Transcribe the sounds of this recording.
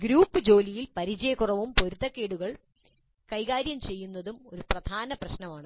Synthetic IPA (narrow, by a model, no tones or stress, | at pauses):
ɡɾuːpːɨd͡ʑo̞ːlijilpɐɾid͡ʑɐjɐkurɐʋumpo̞ɾut̪ːɐkːe̞ːɽuɣɐɭ | kɐjɣaːɾjɐmt͡ɕe̞jːunːɐðumo̞ɾuprɐd̪ʱaːnɐprɐɕnɐmaːɳɨ